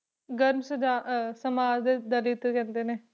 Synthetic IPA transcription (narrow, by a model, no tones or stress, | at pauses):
ɡəɾmsəd͡ʒaːsəmaːd͡ʒd̪eːd̪əlit̪kɛ̃ːnd̪eːneː